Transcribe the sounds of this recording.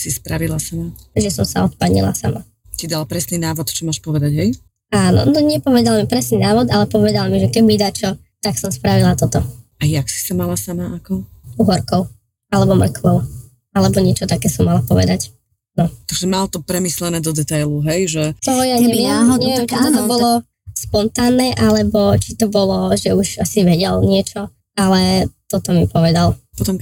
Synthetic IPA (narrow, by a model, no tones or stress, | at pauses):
sispɾaʋilasamaaʒɛsɔmsa̰ɔt̪paɲḭla̰sa̰ma | cid̪alpɾɛsninaːʋɔt̪t͡ʃɔmaːʃpɔʋɛd̪aɟɦɛj | aːnɔ̰nɔɲɛpɔʋɛd̪almipɾɛsninaːʋɔd̪alɛpɔʋɛd̪almiʒɛkɛɟmid̪at͡ʃɔ | t̪aksɔmspɾaʋilat̪ɔt̪ɔajaksi̥samalasamaʔakɔuɦɔɾkɔʊ | alɛbɔmr̩klɔʊ | alɛbɔɲɪɛt͡ʃɔt̪akɛːsɔmːalapɔʋɛ̰d̪ac | nɔt̪aɡʒɛmalt̪ɔpɾɛmislɛnɛːd̪ɔd̪ɛt̪ajluɦɛjʒɛt̪ɔjaɲɛmiɛɛɦɔɲɛɛɛmt͡ʃit̪ɔt̪ɔbɔlɔ | spɔnt̪aːnːɛʔalɛbɔt͡ʃit̪ɔbɔlɔʒɛuʒasiʋɛɟɛlɲɪɛt͡ʃɔ | alɛt̪ɔt̪ɔmipɔʋɛd̪alpɔt̪ɔm